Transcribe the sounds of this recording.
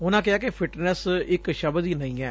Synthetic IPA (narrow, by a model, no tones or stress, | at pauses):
ʊnãːkɪaːkepʰɪʈnəsɪkʃəbd̪iːnəĩːɛ̰ː